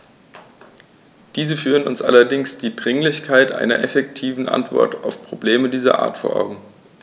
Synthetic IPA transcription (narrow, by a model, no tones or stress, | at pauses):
d̥iːzəfyːʁənʊnsʔa̰lɐdɪŋsd̥iːdʁɪŋlɪçkʰaɪtʔa̰ɪnɐ̰ʔɛfɛktʰiːvn̩ʔa̰ntv̥ɔ̰ɐta̰ʊfpʁ̥obleːmədiːzɐ̰ʔa̰ːɐtfoːɐʔa̰ʊɡŋ̩